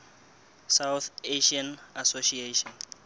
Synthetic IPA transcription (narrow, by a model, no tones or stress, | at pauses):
sawθeʃianasoʃieʃɔn